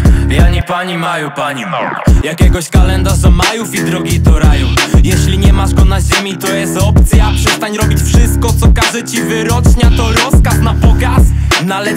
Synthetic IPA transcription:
jaɲipaɲimajɔpaɲijakʲɛɡɔɕkalɛnd̪aʐmajufid̪ɾɔɡʲit̪ɔɾajufjɛɕlʲiɲɛmaʐɡɔnaʑemʲit̪ɔjɛst̪ɔpt̪sʲjapʂɛst̪aɲɾɔbʲit͡ɕfʂɪst̪̚kɔt̪sɔkaʐɛt͡ɕivɘɾɔt͡ʂɲat̪ɔɾɔskasnapɔɡasnalɛ

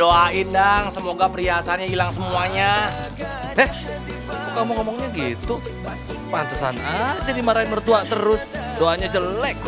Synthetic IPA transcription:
oaɪndaŋsəmoɡapəɾiasanɲailaŋsəmuaɲa | ɛh | mukamuŋɔmɔŋɲaɡit̪u | pant̪əsa̰nad͡ʒadimaɾaɪnbərt̪uaʔt̪əɾʊs | doaɲad͡ʒəlɛk̚

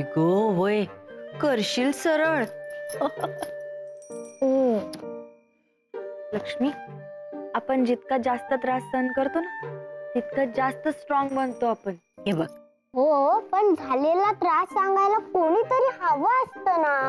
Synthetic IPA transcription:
ɡoʋəjkəɾɕilsəɾəɭ | ləkʂmiː | apəɳd͡ʑit̪̚kad͡zast̪ət̪ɾasːəənkəɾt̪onat̪it̪kad͡zast̪əsʈɾɔŋɡbənt̪oapəɳ | ɦebaɡ | ɦopəɳd͡zʱalelat̪ɾasːaŋɡajlakoɽ̃iːt̪əɾiːhəʋaəst̪əna

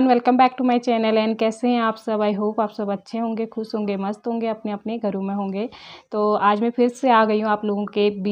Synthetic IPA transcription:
nʋɛlkə̃mbɛːk̚ʈumaːit͡ʃɛːnəlɛːnkɛːseɦɛ̃aːpsɐbaːjɦoːpaːpsɐbɐtːʃʰeɦõːŋɡexʊsɦõːŋɡemɐst̪ɦõːŋɡeɐpneɐpneɡʱɐɾõmẽɦõːŋɡeːt̪oːaːd͡ʒmɛ̃pʰɪɾseaːɡɐiɦũaːploːɡõkeb

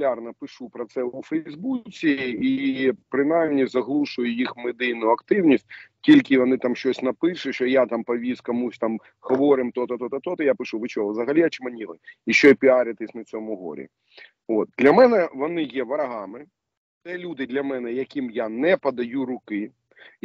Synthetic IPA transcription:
lʲarnɐpɪʃupɾɔt̪sɛufɛzbut͡sʲiipɾɪnajmnʲizɐɦlˠuʃʊjʊjixmɪd̪ɪjnʊɐkt̪ɪwnʲisʲt̚ʲtʲilʲkɪʋɔnɪt̪amʃt͡ʃɔsʲnɐpɪʃʊʃɔjat̪ampɐʋʲiskɔmusʲt̪am | hɔʋɔɾɪmt̪ɔt̪ɔt̪ɔt̪ɔt̪ɔt̪ɔjapɪʃuʋɪt͡ʃɔɦɔzɐɦɐlʲiɐt͡ʃɪmɐnʲilˠɪiʃt͡ʃɔpʲiaɾʲɐt̪ɪsʲnɐt͡sʲɔmʊɦɔ̰ɾʲḭ | ot̪̚d̪lʲɐmɛnɛʋɔnɪjɛʋɐɾɐɦɑmɪ | t̪ɛlʲud̪ɪd̪lʲɐmɛnɛjɐkʲimjanɛpɐd̪ɐjuɾʊkɪ

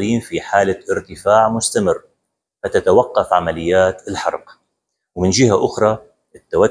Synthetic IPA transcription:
liːmfiħaːlaʔɪɾt̪ɪfaːʕmʊst̪amɪrː | fat̪at̪awaqːɑfʕamalɪjːaːt̪ɪlħɑ̰ɾˤq | wmɪnd͡ʒɪɦaʔʊxɾˤɑ | ʔɪt̪ːawa

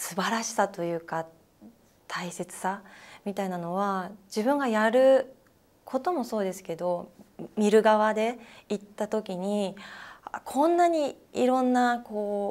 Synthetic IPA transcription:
sɨbaɾaɕi̥sat̪o̞jɯ̟ːka | t̪ʰaise̞t͡sɨ̥samʲit̪ainano̞βad͡ʑibɯ̟̃ŋɡajaɾɯ̟ | kʰo̞t̪o̞mo̞so̞ːd̪e̞sɨ̥ke̞d̪o̞mʲiɾɯ̟ɡaβad̪e̞it̪ːat̪o̞kʲiɲ̟i | akʰõ̞nːaɲ̟iiɾõ̞nːako̞ː

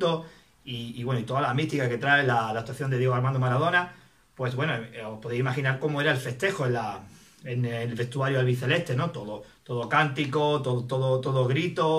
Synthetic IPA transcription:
t̪o | iːwe̞noit̪o̞ðalamit̪ikake̞t̪ɾaelalat̪waθjond̪ejeɣaɾmãnd̪omaɾað̞o̞na | pwe̞sβwe̞noospoðejsimaxinaɾko̞moe̞ɾaelfe̞st̪e̞xoenla | enlβe̞st̪uaɾjoelβiθele̞ht̪e̞no̞t̪oðot̪o̞ðokant̪ikot̪ot̪oðot̪o̞ðoɣɾit̪o

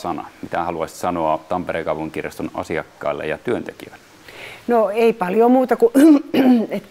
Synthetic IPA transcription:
sɑnɑ̰mit̪æhɑluɑsʲi̥sɑnoɑt̪ɑmperekɑˑupuŋkirjɑst̪onɑ̰siɑkːɑ̰ˑelːɑ̰jɑt̪yønt̪ekiølːæ | noeipɑljomuːt̪ɑku | et̪ː

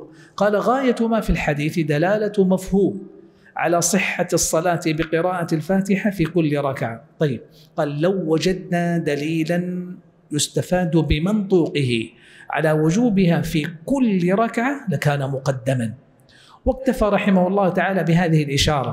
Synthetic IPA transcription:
qɑːlaɣaːjamaːfilħad̪iːθd̪alaːlamafhuːm | ʕa̰laːsˤɨħːasˤːɑlaːt̪bɪqɨɾɑːʔalfaːt̪ɪħafiːkʊlːɾˤɑkʕa̰t̪ˤɑjːɪb̚ | qɑːlːawːad͡ʒad̪naːd̪aliːlan | jʊst̪afaːd̪bɪmɪnt̪ˤuːqɪhɪ̰ | ʕa̰laːwʊd͡ʒuːbɪhaːfiːkʊlːɾˤɑkʕalakaːnamʊqɑd̪ːaman | wak̚t̪afaːɾˤɑħɪmahʊlˤːɑːht̪aʕaːlaːbɪɦaːðɪhɪlʔɪʃɑːɾˤɑ̰

